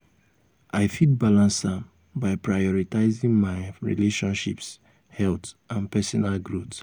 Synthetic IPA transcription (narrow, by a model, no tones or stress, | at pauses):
aɪfit̚balãnsãm | baɪpɹajɔɹitaɪzĩŋmaɪɹḭleʃɔ̃nʃḭps | hɛltʔãnpɛsɔnalɡɹot